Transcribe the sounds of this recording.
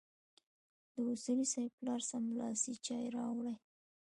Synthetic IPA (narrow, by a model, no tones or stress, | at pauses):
d̪əʊsulisɑjplɑɾsamlɑsit͡ʃɑjɾɑwɽaj